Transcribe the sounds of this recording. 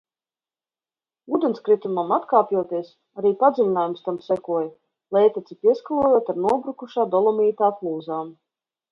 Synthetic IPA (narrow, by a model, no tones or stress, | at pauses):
uːd̪enskɾit̪umamat̪kaːpʲjuɔt̪iɛs | aɾiːpad̪zilʲinaːjumst̪amsɛkuɔj | lˠɛjt̪at̪sipʲiɛskalˠuɔjuːt̪aɾnuɔbɾukuʃaːd̪ɔlˠɔmiːt̪aːklˠuːzaːm